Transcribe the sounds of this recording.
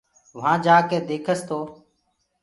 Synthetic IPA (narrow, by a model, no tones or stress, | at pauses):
ʋãːd͡ʒaːkeːd̪eːkʰəst̪ʰoː